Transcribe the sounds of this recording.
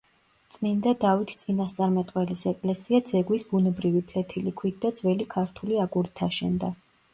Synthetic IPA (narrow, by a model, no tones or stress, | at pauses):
t̪sʼmind̪ad̪avit̪ʰt̪sʼinast̪sʼaɾmɛt̪ʼqʼwɛlisɛkʼlɛsiad̪zɛɡwisbunɛbɾivipʰlɛt̪ʰilikʰwit̪̚ʰd̪ad̪zvɛlikʰaɾt̪ʰuliaɡuɾit̪ʰaʃɛ̰nd̪a